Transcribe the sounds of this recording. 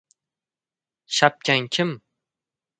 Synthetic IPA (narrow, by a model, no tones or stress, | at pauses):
ʃap̚kʲaŋkʲʰɪm